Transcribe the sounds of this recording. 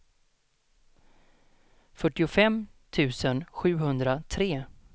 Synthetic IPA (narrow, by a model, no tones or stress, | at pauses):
fœʈːɪʊfɛmt̪ʰʉ̟ːsənɧʉ̟ːɦɵnd̪ɾat̪ʰɾeː